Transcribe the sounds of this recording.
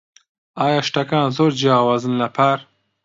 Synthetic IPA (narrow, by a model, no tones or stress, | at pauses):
ɑːjɑːʃʈakɑ̃ːnzoɾd͡ʒaːwazənlapʰaɾ